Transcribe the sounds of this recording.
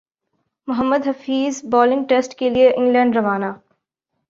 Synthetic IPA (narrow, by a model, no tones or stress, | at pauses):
mʊɦəmːəd̪ɦɐfiːzbɔːlɪ̃ŋʈeːsʈkelieʔɪ̃ŋɡlɛ̃ːɳɖɾɐʋaːnaː